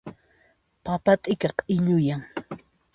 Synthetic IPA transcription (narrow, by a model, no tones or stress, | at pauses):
papat̪ʼɪkɑqɪʎʊjaŋ